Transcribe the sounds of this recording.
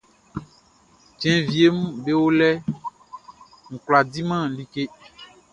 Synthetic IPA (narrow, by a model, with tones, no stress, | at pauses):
d͡ʒɛ̃˨vi˨e˦m̩˦be˦wo˦lɛ˦ | ŋ̩̃˨kla˨di˦mã˦li˦ke˦